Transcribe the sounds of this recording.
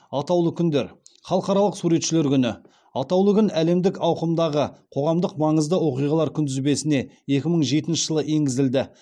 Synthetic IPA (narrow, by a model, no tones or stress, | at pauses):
ɑt̪ɑwlˠəkʲʰʏnd̪e̞ɾχɑlˠəqɑɾɑlˠəqsuɾe̞t̪ʃɪle̞ɾkʲʰʏnɪ | ɑt̪ɑwlˠəkʲʏnæle̞md̪ɪkɑwqəmd̪ɑʁəqʰo̞ʁɑmd̪əqmɑɴəzd̪əwo̞qijʁɑlˠɑɾkʲʰʏnd̪ʏzbe̞sɪne̞ | e̞kʲɪməɴʒe̞t̪ɪnʃə̥ʒəlˠəʔe̞ŋɡʲɪzɪld̪ɪ